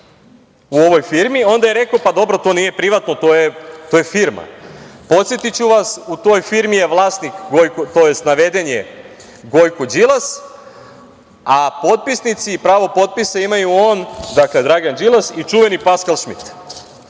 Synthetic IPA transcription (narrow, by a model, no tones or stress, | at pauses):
uo̞ʋo̞jfiɾmio̞nd̪ajeɾe̞kopad̪o̞bɾo̞t̪o̞nije̞pɾiʋat̪no̞t̪o̞jet̪oːjefiɾma̰po̞t̪sjet̪it͡ɕuʋasut̪o̞jfiɾmijeʋlˠaːsnikɡojkot̪o̞je̞st̪naʋe̞d̪e̞ɲe̞̰ | ɡo̞jkod͡ʒilˠas | apo̞t̪̚pisnit̪siːpɾaːʋo̞po̞t̪̚pisaimajuo̞nd̪akled̪ɾaɡand͡ʒilˠasit͡ʃuʋe̞nipaskalˠʃmḭt̪